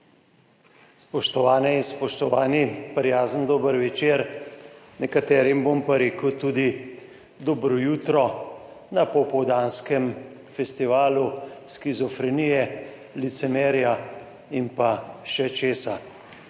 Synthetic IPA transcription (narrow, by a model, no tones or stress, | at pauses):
spɔʃt̪ɔʋaːnɛinspɔʃt̪ɔʋaːnipɾjaːzənd̪oːbəɾʋɛt͡ʃeːɾ | nɛkat̪ɛːɾjimbompaɾeːkəwt̪uːd̪i | d̪ɔbɾɔjuːt̪ɾɔ | napɔpɔwd̪aːnskɛm | fɛst̪iʋaːluskizɔfɾɛnijɛ | lit̪sɛmɛːɾja | impaʃɛt͡ʃeːsa